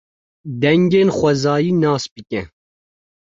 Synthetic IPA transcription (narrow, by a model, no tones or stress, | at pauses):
d̪ɛŋɡeːnxʷɛzɑːjiːnɑːsbɨkʲɛ